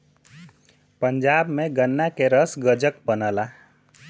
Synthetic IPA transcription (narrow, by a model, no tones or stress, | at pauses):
pəɲd͡ʒabmeɡənːakeɾəsɡəd͡ʒək̚bənəla